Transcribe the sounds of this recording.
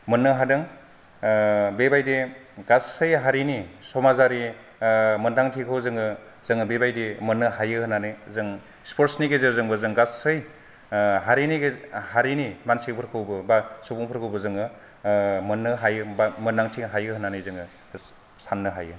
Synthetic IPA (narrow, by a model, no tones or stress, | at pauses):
mɯnːɯɦadɯŋ | bebajdeɡassɯjɦaɾinisɔmazaɾi | mɯndaŋtʰikʰɯwzɯŋɯ | zɯŋɯbebajdemɯnːɯɦajɯhɯnanɯzɯŋ | spʰoɾsniɡezeɾzɯŋbɯzɯŋɡaɯj | ɦaɾiniɡhaɾinimansik̚pʰɯɾkʰɯwbɯbasupuŋpʰɯɾkʰɯwbɯzɯŋɯ | mɯnːɯɦajɯbamɯndaŋtʰiɦajɯhɯnanɯjzɯŋɯ | sanːɯɦa̰jɯ